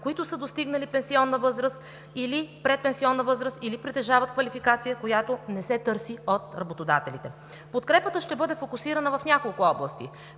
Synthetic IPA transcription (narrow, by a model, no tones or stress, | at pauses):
koit̪ʊsəd̪ost̪iɡnəlipɛnsiɔnːəvɤzɾəst̪ | ilipɾɛt̪̚pɛnsiɔnːəvɤzɾəst̪ilipɾit̪ɛʒavət̪̚kvɐlifikat̪sijəkojat̪onɛsɛt̪ɤɾsiot̪ɾɐbot̪od̪a̰t̪ɛlit̪ɛ | pot̪kɾɛpət̪əʃt̪ɛbɤd̪ɛfokʊsiɾənəvɐfnʲakolˠkʊɔblˠəst̪ḭ